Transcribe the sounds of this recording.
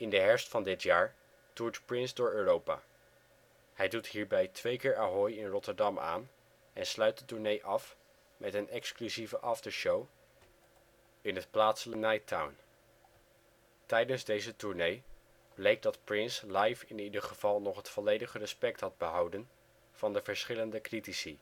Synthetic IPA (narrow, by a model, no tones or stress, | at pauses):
ɪndəɦɛɹstfɑndɪtjaːɹ | tuɹtprɪnzdʊːɹøːrowpa̰ː | hɛjdutɦiːɹbɛjtʋejkɪːɹaɦɔjɪnrɔtəɹdɑma̰ːn | ɛnslœɥt̚dətuɹnejʔɑf | mʔɛtənɛksklyzivəʔɑfdəʃow | ɪnɦətplaːtsələnajtʰa̰wn | tɛjdənzdejzətuɹnej | b̥lejk̚dɑtprɪnslɑjfɪnidəɹχəv̥ɑlˠnɔχɦətfɔlejdəχərəspɛk̚tɦɑd̚bəɦɑwdən | v̥ɑndəvəɹsχɪləndəkritisi